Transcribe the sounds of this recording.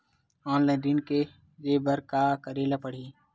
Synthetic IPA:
aːnladinke | d͡ʒeːbəɾkaːkəɾeːlapəɽ̤iː

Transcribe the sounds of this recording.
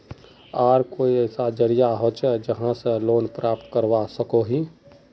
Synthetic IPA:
aːɾkoiɛɪsad͡ʒəɾijaɦot͡ʃɛd͡ʒəɦãsẽloːnpɾʔap̚t̪kəɾʋasəkoɦi

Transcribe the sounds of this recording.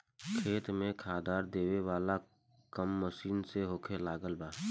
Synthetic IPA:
kʰeːt̪mẽkʰaːd̪aːɾd̪eːʋeʋaːla | kəmːəʃiːnseɦoːkʰelaːɡəlbaː

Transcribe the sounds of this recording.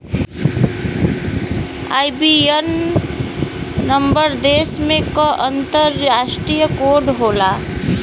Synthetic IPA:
a̰jbien | əmbəɾd̪esmẽkəʔənt̪əɾasʈɾijəkoɖɦola

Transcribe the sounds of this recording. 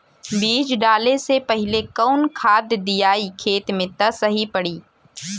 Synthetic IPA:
biːd͡ʒɖaːlesepɐɦɪlekɔʊnkʰaːd̪d̪ijaːikʰeːt̪mẽt̪ɐsɐɦipɐɽiː

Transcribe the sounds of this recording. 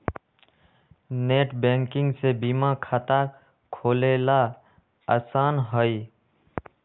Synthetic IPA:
neːʈbẽːŋkɪ̃ŋɡsebiːmãkʰaːt̪a | kʰoːleːla | aːsaːnɦəi

